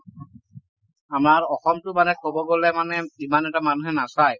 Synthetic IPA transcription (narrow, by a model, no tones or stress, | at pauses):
amaɹɔxɔmtʊmanɛkobɔɡolɛmanɛimanɛtamanuɦɛnasaj